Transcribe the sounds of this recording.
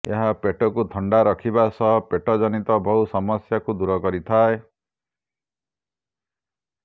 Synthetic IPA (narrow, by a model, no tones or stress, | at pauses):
eɦapeʈɔkut̪ʰɔɳɖaɾɔkʰibasɔɦpeʈɔd͡ʒɔnit̪ɔbʱɔɦusɔmɔsjakud̪uɾɔkɔɾit̪ʰae